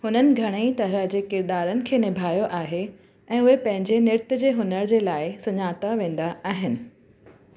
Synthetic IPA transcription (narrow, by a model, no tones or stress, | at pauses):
hʊnənɪ̆ɡʱɐɽ̃eit̪ɐɾəɦd͡ʑeːkɪɾd̪aːɾənɪ̆kʰeːnɪbʱaːjoʔaːɦe | ɛ̃ːʊɦepɐ̃ɦɪ̃ɲd͡ʑenɪɾɪt̪ɪd͡ʑeːɦʊnəɾd͡ʑeːlaːɪsʊɲaːt̪aʋẽːn̆d̪aʔaːɦɪnɪ̆